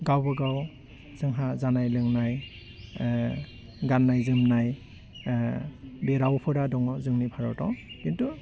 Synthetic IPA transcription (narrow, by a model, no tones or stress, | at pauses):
ɡawbɯɡaw | zɯŋɦazanajlɯŋnaj | ɡanːajzɯmnaj | bɛɾawpʰɯɾadɔŋɔzɯŋnipʰaɹɔtɔkintu